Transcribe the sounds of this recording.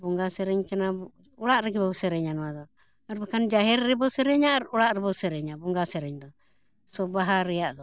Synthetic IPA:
bɔŋɡasɛɾɛɲkana | ɔɽaʔɾɛɡibɔsɛɾɛɲanɔad̪ɔ | aɾbakand͡ʒaɦɛɾɾɛbɔsɛɾɛɲaɾɔɽaʔɾɛbɔsɛɾɛɲabɔŋɡasɛɾɛɲd̪ɔ | sɔbaɦaɾɛaʔd̪ɔ

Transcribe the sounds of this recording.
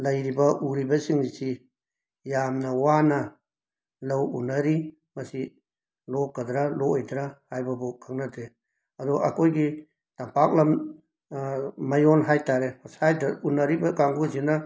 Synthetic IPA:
lɐjɾibɐʔuɾibɐsiŋnisi | jamnɐwanɐ | lɐwunːɐɾi | mɐsi | lɔk̚ːɐdɾalɔʔojdɾahajbɐbɔkʰaŋnadɾe | ɐdɔʔakʰojɡi | tampak̚lɐm | mɐjɔnɦajtaɾehɔsajdɐunːɐɾibɐkaŋɡuzinɐ

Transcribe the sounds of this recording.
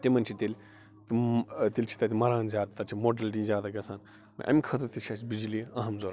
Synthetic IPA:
t̪imɐnt͡ʃʰit̪ilʲ | t̪ɨt̪ilʲt͡ʃʰi̥t̪ɐt̪ʲimɐɾãːnzʲjaːd̪at̪ɐt͡ʃʰimoɖɐlʈizʲjaːd̪aɡɐsaːn | mɐ̰ʔɐ̰mʲkʰɐt̪ɐt̪it͡ʃʰɐs̬bid͡ʒiliɐɦɐmzoːɾ

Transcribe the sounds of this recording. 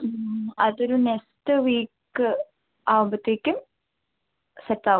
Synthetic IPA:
ɐðoɾunekstɨʋiːkː | ɨ | aːʋubɐt̪ːeːkʲːum | setːaː

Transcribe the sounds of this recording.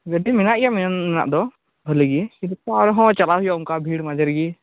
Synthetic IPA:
ɡəɖiminaʔijaʔmmɛna̰ʔd̪ɔ | bʱəliɡiiɾkaɾɦɔ̃t͡ʃalaɦujauŋkabʱiɽmad͡ʒəɾɡi

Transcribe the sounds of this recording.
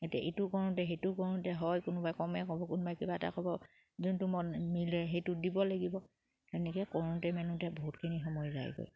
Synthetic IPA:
etijaʔetʊkɔɹuntɛɦetʊkɔɹuntɛɦɔjkʊnʊbajkɔmɛkɔbɔkunbajkibaɛta̰kɔbɔ | zuntʊmɔnmilɛɦejtʊdibɔlaɡibɔ | tɛnɛkɛkɔɹuntɛmɛlumtɛboɦutkʰinixɔmɔjza̰jɡɔ̰j

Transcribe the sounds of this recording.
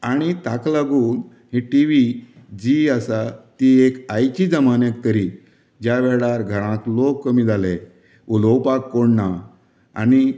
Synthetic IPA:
aɽ̃it̪aklaɡuːn | ɦeʈiʋi | d͡ʑiasat̪iekajt͡ɕid͡zəmanək̚t̪əɾi | d͡ʑjaʋɛɭaɾɡʱəɽ̃ãklokːəmiːd͡zʱale | ulowpakːoɳːa | a̰ñi

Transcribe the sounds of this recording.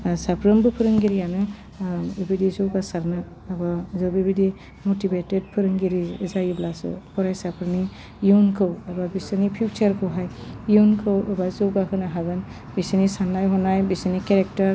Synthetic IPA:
sapʰɾɯmbɯpʰɯɾɯŋɡiɾijanɯ | ibidizɯɡasaɾnɯː | bazɯbibidi | mɔtibeted̚pʰɯɾɯŋɡiɾizajɯblasɯ̰pʰɔɾajsapʰɾɯni | junkʰɯwaɾbabisɯnipʰut͡ʃaɾkʰɯwɦajjunkʰɯwɯbazɯwɡahɯnaɦaɡɯn | bisɯnisanːajɦɔnajbisɯnikeɾek̚taɾ

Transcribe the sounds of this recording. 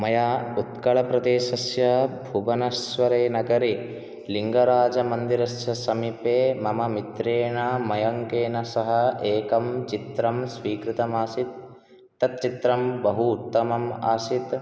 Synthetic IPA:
mɐjaːut̪kɐɭɐpɾɐd̪eːʃɐsjɐbʱubɐnɐsʋɐɾeːnɐɡɐɾi | liŋɡɐɾaːd͡ʒɐmɐnd̪iɾɐsjɐsɐmipeːmɐmɐmit̪ɾeːɳamɐjɐŋkeːnɐsɐɦɐeːkɐmt͡ʃit̪ɾɐmsʋiːkɾit̪ɐmaːsit̪̚ː | ɐt̪̚t͡ʃit̪ɾɐmbɐɦuːt̪ːɐmɐma̰ːsit̪

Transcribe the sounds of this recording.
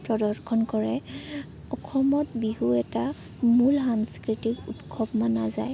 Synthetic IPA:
pɹɔdɔɹkʰɔnkɔɹɛ | ɔkʰɔmɔtbiɦuɛta | mulɦaŋskɹitikutkʰɔbmanaza̰j

